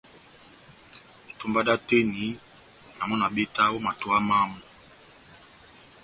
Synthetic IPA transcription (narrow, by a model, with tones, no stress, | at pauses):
e˨tu˦mba˦da˦te˦ni˨˦ | na˨mɔ˦na˨be˦ta˦o˦ma˨tu˦a˦ma˦mu˨